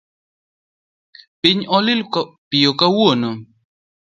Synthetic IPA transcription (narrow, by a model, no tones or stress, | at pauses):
piɲɔlɪlkpijokawono